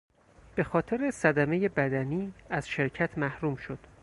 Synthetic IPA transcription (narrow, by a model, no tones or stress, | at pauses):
b̥e̞xɒːt̪ʰe̞ɾesæd̪æmeje̞bæd̪æniːæz̥ʃeɾcʰæt̪ʰmæhɾuːmʃo̞d̪̥